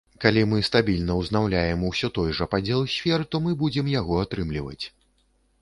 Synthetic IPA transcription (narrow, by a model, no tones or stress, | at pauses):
kalʲimɨst̪abʲilʲnɐwznawlʲajɛmuwsʲɔt̪ɔjʐɐpad͡zʲɛlˠsʲfʲɛrt̪ɔmɨbud͡zʲɛmjaɣɔat̪ɾɨmlʲivɐ̰t͡sʲ